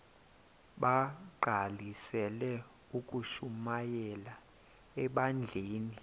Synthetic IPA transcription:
ɓaǃʱalisɛlɛ | ukʼuʃumajɛla | ɛɓand͡ɮʱeːni

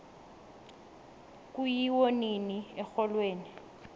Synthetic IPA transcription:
kʼujiwoniniɛk͡xɔlweːni

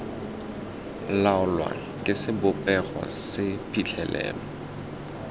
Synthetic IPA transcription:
laʊlwa̰ | kʼɪsɪbʊpʼɛχɔ̰sɪpʰʼiɬʰɛlʔɛ̰ːlɔ

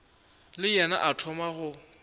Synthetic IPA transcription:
lɪjɛna̰ʔatʰɔmaɣʊ

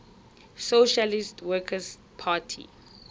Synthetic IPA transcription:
soʃalistwɛkʰəs | pʰaːtʰḭ

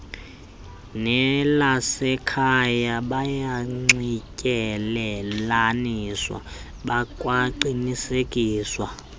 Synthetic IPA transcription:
nɛlasɛkʰajaɓajaŋ͡ǀicʼɛlɛlaniːswa̰ | ɓakʼwaǃinisekʼiːswa

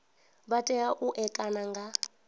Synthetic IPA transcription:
βatʼɛaʔuʔɛkʼanaŋɡa

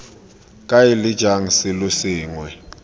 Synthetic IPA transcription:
kʼajɪlɪd̥ʒ̥ʱaŋ̩sɪlʊsɪːŋwɛ

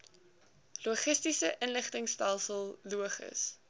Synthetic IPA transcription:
luəχəstisəʔənləχtəŋstælˠsəlˠːuəχə̰s

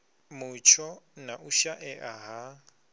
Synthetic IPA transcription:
mʊt͡ʃʰɔnaʔuʃaʔɛʔaɦa

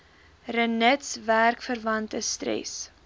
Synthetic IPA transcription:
rənətsværkfərvɐntəstrɛ̰s

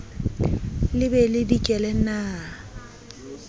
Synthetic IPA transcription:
lɪbɛlɪdikʼɛlɛnaː

